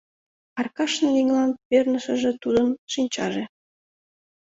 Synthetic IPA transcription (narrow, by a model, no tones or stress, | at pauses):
ɑrkɑʃnɤliŋlɑnpernəʃəʒet̪ud̪ənʃinʲt͡ɕɑʒe